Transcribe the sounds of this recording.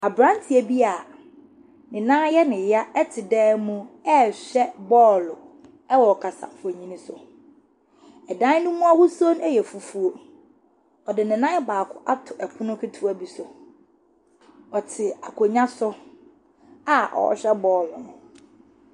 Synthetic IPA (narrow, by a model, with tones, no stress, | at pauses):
a˨bɾã˦n˦tʰi˨æ˨bi˦a˨ | nɪ̃˨nã˦jɛ˦nɪ̃˨ja˦ɛ˦tʰɪ˨dɛː˦mũ˦ɛ˦ɕᶣɛ˦bɔ˦lʊ˨ | ɛ˦wɔ˨kʰa˨sa̰˨fɲĩ˦nĩ˦sʊ˨ | ɛ˨dã˦n˦nʊ̃˦mũ˦a˦wʊ˦so˦n˦ɛ˦jɛ˨fu˨fu˦o˦ | ɔ˨dɪ˨nɪ̃˨nã˦ɛ˦baː˨kʰʊ˦ʔa˦tʰʊ˨ʔɛ˨kʰʊ˦nʊ̃˦kʰɪ˦tʰu˦a˨bi˨sʊ˨ | ɔ˨tʰɪ˨a˨kʰo˨ɲã˦sʊ˦ | a˦ʔɔ̰˨ɔ̰˨ɕᶣɛ˦bɔː˦lʊ˨nʊ̃˨